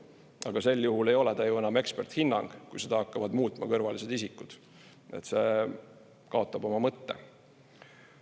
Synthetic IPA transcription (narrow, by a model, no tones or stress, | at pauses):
ɑɡ̥ɑse̞lːjuhule̞jo̞lɛt̪ɑjue̞nɑme̞kspe̞rt̪hinːɑ̰ŋɡ̥kujsed̪̥ɑhɑkːɑvɑd̪muːt̪ːˑmɑkɤrvɑlise̞d̪isikːˑud̪̥ | e̞̰t̪se̞ | kɑo̞t̪ːˑɑbo̞mɑmɤt̪ːe̞̰